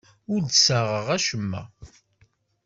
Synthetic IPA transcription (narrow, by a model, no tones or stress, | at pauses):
ʊɾd̪səʁəʁæʃəmːæ̰